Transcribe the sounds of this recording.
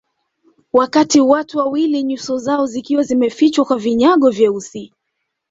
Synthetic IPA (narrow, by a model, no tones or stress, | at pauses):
wakatiwatuwawiliɲusɔzaɔzikiwazimɛfit͡ʃwakwaviɲaɠɔvjɛusi